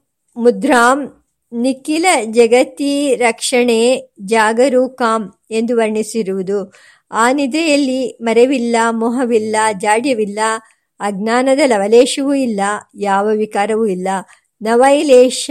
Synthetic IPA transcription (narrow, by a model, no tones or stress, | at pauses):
mud̪ɾaːm | nikilɐd͡ʒɐɡɐt̪iɾɐkʂɐɳeːd͡ʒaːɡɐɾuːkaːm | e̞nd̪uʋɐɾɳisiɾuʋud̪u | aːnid̪ɐjɐlːimɐɾeʋilːamɔɦɐʋilːad͡ʒaːɽjɐʋilːɐː | ɡnaːnɐd̪ɐlɐʋɐleːʂɐʋuilːɐjaːʋɐʋikaːɾɐʋuilːɐ | nɐʋɐjleːʃ